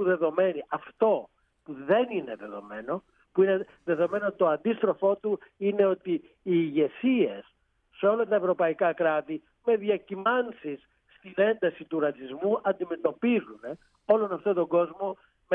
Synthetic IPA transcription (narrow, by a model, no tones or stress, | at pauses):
uðe̞ðo̞me̞niʔɐft̪o̞ | puðe̞nine̞ðe̞ðo̞̰me̞no̞ | puine | ðe̞ðo̞me̞noot̪it̪o̞ɐnd̪ist̪ɾo̞fo̞t̪uine̞o̞t̪iː | ʝe̞sie̞sː | eo̞lɐt̪ɐe̞vɾo̞pɐikɐkɾɐt̪i | me̞ðjɐcimɐnsisː | t̪ine̞nd̪ɐsit̪uɾɐt͡sizmuʔɐnd̪ime̞t̪o̞pizune̞ | o̞lo̞nɐft̪ot̪o̞ɡo̞zmo̞ | m